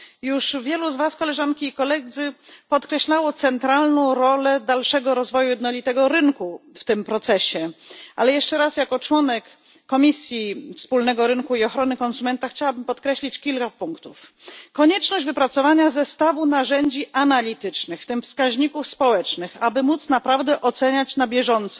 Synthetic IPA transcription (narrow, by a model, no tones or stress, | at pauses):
juʂvʲjɛluzvaskɔlɛʐankʲiːkɔlɛd̪zɘpɔt̪kɾɛɕlawɔt̪sɛnt̪ɾalnɔ̃w̃ɾɔlɛd̪alʂɛɡɔɾɔzvɔjujɛd̪nɔlʲit̪ɛɡɔɾɘŋkuft̪ɘmpɾɔt̪sɛɕɛʔalɛjɛʂt͡ʂɛɾasjakɔt͡ʂwɔnɛkː | ɔmʲisʲjifspulnɛɡɔɾɘnkuiɔxɾɔnɘkɔnsumɛnt̪axt͡ɕawabɘmpɔt̪kɾɛɕlʲit͡ɕkʲilkapuŋkt̪ufkɔɲɛt͡ʂnɔʑd͡ʑʲvɘpɾat̪sɔvaɲazɛst̪avunaʐɛɲd͡ʑiʔanalʲit̪ɘt͡ʂnɘxft̪ɘmfskaʑɲikufspɔwɛt͡ʂnɘxabɘmut̪snapɾavd̪ɛʔɔt̪sɛɲat͡ɕnabʲjɛʐɔnt̪sɔ